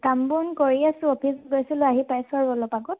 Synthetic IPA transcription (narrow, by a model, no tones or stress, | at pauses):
kambɔnkɔɹiasʊ̃ɔpʰisɡojsilʊaɦipajsɔɹbɔlɔpaɡɔt̚